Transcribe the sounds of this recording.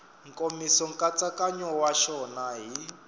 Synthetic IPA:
ŋkʼomisɔŋkʼat͡sʼakʼaɲɔwaʃɔnaɦi

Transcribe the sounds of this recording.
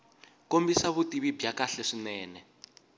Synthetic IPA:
kombisaβutiβibʱjakaɬɛʂinɛːnɛ

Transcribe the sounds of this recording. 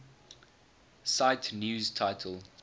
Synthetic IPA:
saɪtʰnjuːztʰaɪtʰəl

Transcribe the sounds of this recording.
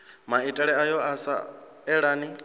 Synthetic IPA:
maitʼɛɺɛajɔʔasa̰ | ɛɺaːni

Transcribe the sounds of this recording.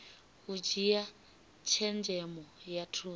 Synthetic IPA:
ɣud͡ʒija | t͡ʃʰɛnd͡ʒɛmɔjatʰuː

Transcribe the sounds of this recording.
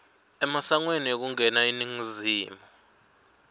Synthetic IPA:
ɛmasaŋweniok̬uŋɛnainiŋiziːmɔ

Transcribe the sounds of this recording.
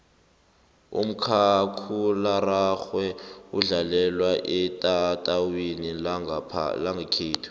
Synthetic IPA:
ṵm̩kʰakʰularaxwɛuɮalɛlwaʔɛtʼatʼawenḭ | laŋɡakʰeːtʰu̥

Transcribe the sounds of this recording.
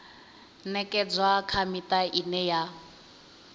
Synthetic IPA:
nɛkʼɛd͡zwakʰamitʼaʔinɛja

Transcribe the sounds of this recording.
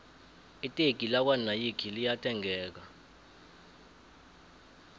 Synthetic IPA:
itʼeɡ̥ʱilak̬wanajikʰilijatʼɛŋɛːk̬a

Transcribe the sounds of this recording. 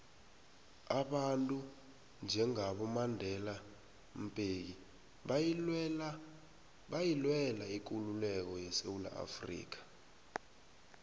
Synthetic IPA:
aɓantʼu | nd͡ʒʱɛŋaɓɔmandʱɛla | m̩pʼek̬i | ɓajilwɛlaik̬ululɛk̬ɔjɛsewula̰ʔa̰frḭːk̬ḁ

